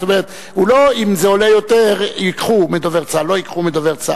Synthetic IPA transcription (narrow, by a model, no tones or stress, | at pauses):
t̪omeʁet̪ | huloimzeo̞lejot̪eʁikχumed̪oveʁt͡salo̞ikχumed̪oveʁt͡sa̰